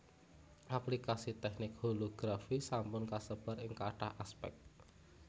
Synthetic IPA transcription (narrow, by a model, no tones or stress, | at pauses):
ʔaplikasit̪ɛk̚nɪk̚holoɡ̥ɾafisampʊnkasəb̥aɾɪŋkaʈahaspɛ̰k̚t̪̚